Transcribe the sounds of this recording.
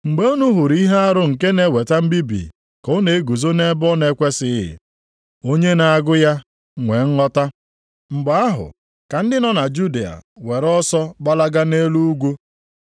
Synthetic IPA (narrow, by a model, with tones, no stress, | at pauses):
ŋ͡m̩˨ɡ͡be˦o˦nu˦ɦu˨ɾi˦ɦe˦a˦ɾʊ˦ŋ̩˨ke˦ne˨we˨ta˦m̩˦bi˦bḭ˨ | kɔ˦ne˨e˦ɡu˨zo˦ne˦bɔ˦ne˨˦kʷe˦sɪ˦ɦɪ̰˨ | o˦ɲe˦na˨a˨ɡʊ˦ja˦ | ŋʷe˨ŋ̩˦ŋɔ˦ta˦ | ŋ͡m̩˨ɡ͡ba˨a˦ɦʊ̰˨ | ka˨n̩˦dɪ˦nɔ˦na˨d͡ʒu˦de˨a̰˨we˨ɾɔ˦sɔ˦ɡ͡ba˦la˦ɡa˦ne˦lu˦u˦ɡʷu˦